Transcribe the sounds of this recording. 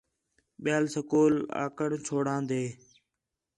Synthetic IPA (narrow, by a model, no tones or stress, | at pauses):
ɓɪjaːlsəkoːla̰ːkəɳt͡ʃʰoːɽãːnd̪eː